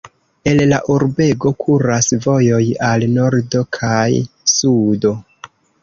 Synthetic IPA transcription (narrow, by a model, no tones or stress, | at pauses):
e̞lla̰ʔuɾbe̞ɡo̞kʰuɾasvo̞jo̞jalno̞ɾdo̞kʰajsudo̞